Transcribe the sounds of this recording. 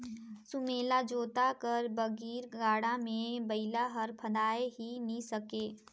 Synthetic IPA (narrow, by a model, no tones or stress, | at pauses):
sʊmeːlad͡ʒoːt̪akɐɾbɐɡiːɾɡaːɽamẽbɐɪlaɦɐɾpʰɐd̪aːeɦinisɐkeː